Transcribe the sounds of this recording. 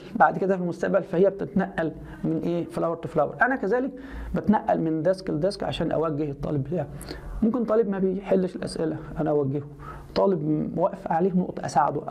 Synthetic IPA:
baʕd̪ked̪æfilmost̪æʔbælfæhejːæb̚t̪et̪næʔːæl | menʔeːflæwɾt̪eflæwɾˤʔænækæzæːlek̚ | bæt̪næʔːæ̰lmend̪æskeld̪æskʕa̰ʃæːnʔæ̰wæɡːehet̪ˤːɑ̰ːleblæ | momkent̪ˤɑːliːbmæbejħelːʃelʔæ̰sʔelæʔænæʔæwæɡːeho | t̪ˤːɑːlebwæʔfʕaleːhnoʔt̪ˤʔæ̰saʕa̰d̪oʔ

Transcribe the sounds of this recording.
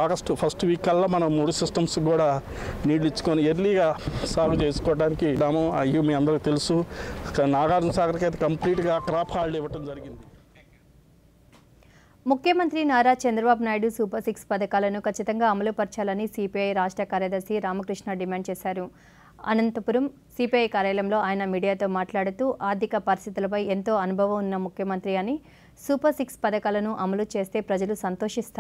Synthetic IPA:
aːɡɐsʈupʰɐsʈʋiːkːɐlːaːmɐnɐmːuːɽusisʈɐmsɡuːɽaː | niːɽlit͡ʃːu̥koːnieɾliɡaːsaːlut͡ʃeːsu̥kɔːɐʈaːnikid̪aːmuɐjːumiːɐnd̪ɐɾukːt̪elusu | naːɡaːɾɐnɐsaːkɐɾikɐjt̪̬ekɐmpliːʈɡaːkɾaːpʰaːlɖɛʋɐʈɐmd͡ʒɐɾiɡind̪i | mukʰjɐmɐnt̪ɾinaːɾaːt͡ʃɐnd̪ɾɐbaːbunaːjɽusuːpɐɾsikspɐd̪ɐkaːlɐnukɐt͡ʃːit̪ɐŋɡaːɐmɐlupɐɾt͡ʃaːlɐnisiːpiɐjɾaːʂʈɾɐkaːɾjaːd̪ɐɾsiɾaːmɐkɾiʂɳɐɖimaːɳɖt͡ʃɛːsaːɾu | ɐ̰nɐnt̪ɐpuɾɐm | siːpiɐjkaːɾɐjɐlɐmlo̞ːaːjɐnɐmiːɽijaːt̪o̞ːmaːʈlaːɽut̪uːʔaːɾd̪ʱikɐpɐɾist̪ʰit̪ulɐp̬ɐjent̪o̞ːɐnubʱɐʋɐmunːɐmukʰjɐmɐnt̪ɾiɐni | suːpɐɾsikspɐd̪ɐkaːlɐnuʔɐmɐlut͡ʃe̞ːst̪e̞ːpɾɐd͡ʒɐlusɐnt̪o̞ːʂist̪ː

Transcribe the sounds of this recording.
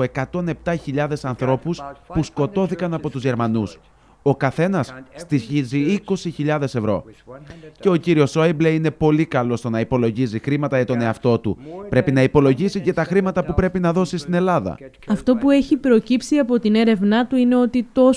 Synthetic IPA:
e̞kɐt̪o̞ne̞p̚t̪ɐçiʎɐðe̞sɐnθɾo̞puspusko̞t̪o̞θikɐnɐpo̞t̪uzʝe̞ɾmɐnus | o̞kɐθe̞nɐsːt̪içiziiko̞siçiʎɐðe̞se̞vɾo̞̰ | ce̞o̞ciɾio̞soibleine̞po̞likɐlo̞st̪o̞nɐipo̞lo̞ʝizixɾimɐt̪ɐʝɐt̪o̞ne̞ɐft̪o̞t̪ṵpɾe̞pinɐipo̞lo̞ʝisice̞t̪ɐxɾimɐt̪ɐpupɾe̞pinɐðo̞sist̪ine̞lɐðɐ̰ | ɐft̪o̞pue̞çipɾo̞cipsiɐpo̞t̪ine̞ɾe̞vnɐt̪uine̞o̞t̪it̪o̞

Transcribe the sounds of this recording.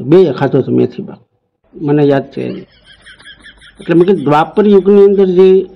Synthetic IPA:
beːjakʰat̪ot̪ʰomḛːt̪ʰiba̰ | mənejaːd̪̚t͡ʃa̰ɛ̰ni | ət̪lemə̃ked̪ʋaːpːəɾjʊɡniənd̪əɾd͡ʒe

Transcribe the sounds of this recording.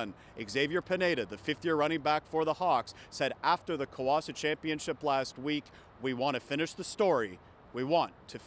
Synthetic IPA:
n | ʔɨɡzeɪvjə˞pʰɨneɪɾɨðɨfɪfθjɪɹɹʌɾ̃ɪ̃ŋbækfə˞ðəhɑkssɛɾʔæftə˞ðɨkʰoʊɑsɨt͡ʃʰæ̃mpiɨ̃nʃɪplæst̚wik | wiwɑ̃ntʰɨfɪ̃ñɨʃðɨstɔɹi | wiwɑ̃ntʰɨ

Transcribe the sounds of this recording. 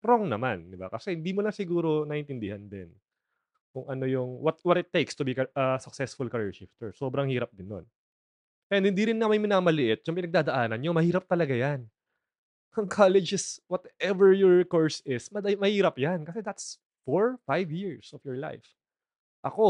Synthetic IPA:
ɾoŋnɐmand̪ɪba̰kɐsɛhɪnd̪imʊlasɪɡuːɾo̞nɐʔɪnt̪ɪnd̪ɪhɐnd̪ɪ̰n | kʊŋʔɐno̞jʊŋwɐt̪̚wɔt̪ɪt̪ːejkst̪ʊbikɐʔɐsʊk̚sɛsfʊlkɐɾiɹʃɪft̪ɛɹsoːbɾɐŋhiːɾɐp̚d̪ɪnːo̞̰n | pɐɛnhɪnd̪iɾɪnːamanmɪnaːmɐlɪʔɪt̪̚jʊŋpɪnɐɡ̚d̪aːd̪ɐʔaːnɐnɲomɐhiːɾɐp̚t̪ɐlɐɡajan | ʔɐŋkʰalɛd͡ʒɪswɔt̪ɛvɛɹjɔɹkoɹsɪsmɐd̪mɐhiːɾɐp̚jankɐsɛd̪ɐt̪s | foɹfajvjiɹsɔfjɔɹla̰jf | ʔɐko

